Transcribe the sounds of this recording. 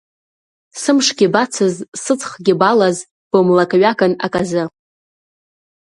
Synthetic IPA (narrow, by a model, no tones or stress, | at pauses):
sɨmʂɡʲɪbat͡sʰɨzsɨt͡sʰʼχɡʲɪbalaz | b̥ɨmlakʼɥakʼana̰kʼazɨ